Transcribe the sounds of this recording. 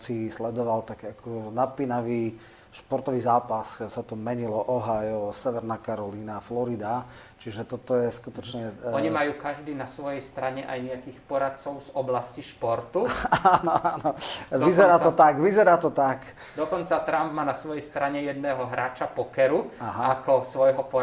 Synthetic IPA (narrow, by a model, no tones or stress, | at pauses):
sislɛd̪ɔʋalt̪akakʰɔnat̪̚piːnaʋiː | ʃpɔɾt̪ɔʋiːzaːpassat̪ɔmɛɲilɔʔɔɦajɔsɛʋɛɾnaːkaɾɔliːnaːflɔɾid̪a | t͡ʃiʒɛt̪ɔt̪ɔjɛskut̪ɔt͡ʃɲɛɔɲimajuːkaʒd̪iːnasʋɔjɛjst̪ɾaɲɛʔa̰jɲɛakiːxpɔɾat̪̚t͡sɔʊzɔblasciʃpɔɾt̪uaanɔaːnɔʋizɛɾaːt̪ɔt̪aɡʋizɛɾaːt̪ɔt̪ak | d̪ɔkɔnt͡sat̪ɾambmaːnasʋɔjɛjst̪ɾaɲɛjɛd̪̚nɛːɦɔɦɾaːt͡ʃapɔkɛɾuaɦaakɔsʋɔjɦɔpɔ